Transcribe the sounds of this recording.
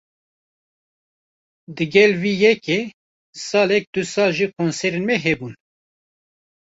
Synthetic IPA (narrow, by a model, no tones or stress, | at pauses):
d̪ɨɡɛlwiːjɛke | sɑːlɛk̚d̪̥usɑːlʒiːkʰonsɛɾenmɛɦɛbun